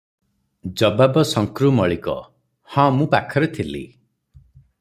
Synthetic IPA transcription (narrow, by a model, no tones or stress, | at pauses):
d͡ʒɔbabɔsɔŋkɾumɔɭikɔ̰ | hɔ̃mũpakʰɔɾet̪ʰilḭ